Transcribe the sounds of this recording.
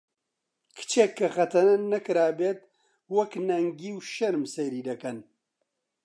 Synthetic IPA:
kʰɨ̥t͡ʃʰeːkʰːɐxɐt̪ʰɐnnɐkɨɾaːbeːt̪̚ | wɐknɐŋɡiːwʃɐɾmseɾiːd̪ɐkɐn

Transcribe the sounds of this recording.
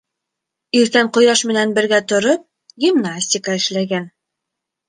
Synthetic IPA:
iɾt̪æɴqŏjɑʃmɘ̆nænbɘ̆ɾɡæt̪ŏɾop̚ | ɡʲimnasʲtʲɪkɑɘ̆ʃlæɡæn

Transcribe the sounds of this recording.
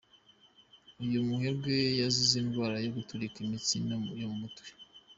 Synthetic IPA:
ujumuhe̞bɡwe̞jaziziːnɡwaːɾajoɡutuɾikimit͡sinjomumutwi̥

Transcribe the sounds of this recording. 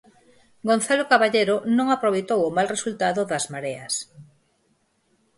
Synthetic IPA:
ɡonθalokaβaʎejɾonõŋapɾoβejt̪owʊmalresult̪aðʊðɐzmaɾeɐs

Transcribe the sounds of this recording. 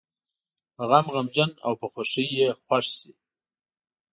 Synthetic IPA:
pəɣamɣamd͡ʒana̰wpəxwaʂəjexwaʂsi

